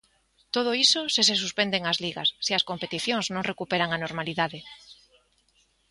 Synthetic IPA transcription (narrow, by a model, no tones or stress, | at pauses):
t̪oð̞oisoses̬es̬uspend̪eŋazliɣa̰sːiɐskompet̪iθjõŋznõŋrekupeɾaŋanoɾmaliðaðe